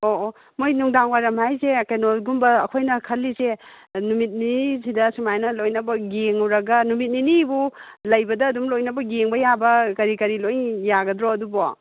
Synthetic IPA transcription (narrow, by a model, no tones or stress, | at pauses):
oʔo | mojnuŋdaŋwajɾɐmhajsekɐjnoɡumbɐːkʰojnɐkʰɐlːise | numit̚ninisidɐsumajnɐlojnɐbɐɡeŋɐwɾɐɡɐnumit̚ninibu | lɐjbɐdɐːdumlojnɐbɐɡeŋbɐjabɐkɐɾikɐɾilojŋjaɡɐdɾoɐdubo